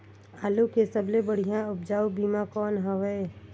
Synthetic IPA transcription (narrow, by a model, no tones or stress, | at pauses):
aːlokesəblebəɽ̤ijãʊpd͡ʒaːubiːmakɔːnɦəʋəe